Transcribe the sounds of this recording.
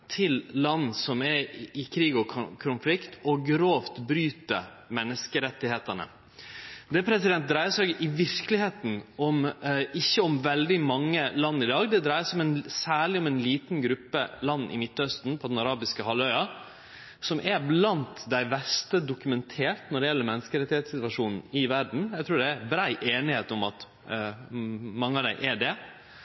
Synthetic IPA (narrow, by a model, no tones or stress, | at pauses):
t̪ʰɪllɑnːsɔmɛɾɪkʰɾiːɡɔkʰʊnflɪkt̪ʰɔɡɾoːft̪bɾyːt̪ə̰ | mɛnːəskəɾɛt̪ːɪheːt̪əɳə̰ | d̪ɛpʰɾɛsɪd̪ɛnt̪̚d̪ɾæɪəsɛɡɪʋɪɾkəlɪheːt̪n̩ɔmɪçːəɔmʋɛld̪ɪmɑŋːəlɑnːɪd̪ɑːɡd̪ɛd̪ɾæɪəsɔmɛnsæːɭɪɔmɛnliːt̪nɡɾʉpːə̰lɑnːʔɪ̰mɪt̪ːœst̪n̩pʰɔd̪nɑɾɑːbɪskəhɑlœʏɑ | sɔmʔæɾblɑnt̪d̪æɪbɛst̪əd̪ʊkʉmɛnt̪ʰeːɾt̪nɔɖɛjɛlːəmɛnːəskəɾɛt̪ːɪheːt̪sɪt̪ʋɑʂuːnn̩ɪʋæɖɳ̩jæɡt̪ʰɾuːɖɛæbɾæɪʔeːnɪheːt̪ɔmɑt̪ | mɑŋːəɑʋd̪æɪʔɛɖɛ